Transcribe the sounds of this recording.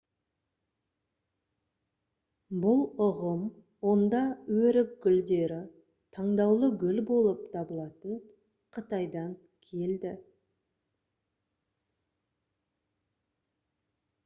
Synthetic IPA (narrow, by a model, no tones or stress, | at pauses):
bʊlˠʊʁəm | wo̞nd̪ɑwɵɾɪk̚ɡʲʏld̪e̞ɾɪ | t̪ʰɑɴd̪ɑwlˠəɡʲʏlbo̞lˠəp̚t̪ʰɑbəlˠɑt̪ən | qʰət̪ɑjd̪ɑŋ | kʲʰe̞ld̪ɪ